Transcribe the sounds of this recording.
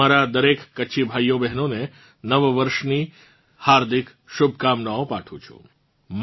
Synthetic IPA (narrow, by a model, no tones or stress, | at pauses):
aɾad̪əɾekːəːʃʰibʱajobɛɦnone | nəʋʋəɾʃni | haɾd̪ʱɪk | ʃʊbʱkamnaopaʈʰṵ̃t͡ʃʰṵ̃ | m